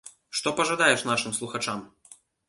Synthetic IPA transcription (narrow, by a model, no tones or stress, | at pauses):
ʂt̪ɔpɐʐad̪ajɛʂn̪aʂɨmslˠuxat͡ʂam